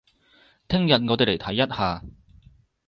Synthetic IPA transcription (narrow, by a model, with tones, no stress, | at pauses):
t̪ʰɪ˥ŋjɐ˨t̚ŋɔː˨˧t̪e˨˧le˨˩jt̪ʰɐ˨˥jːɐ˥t̚haː˨˧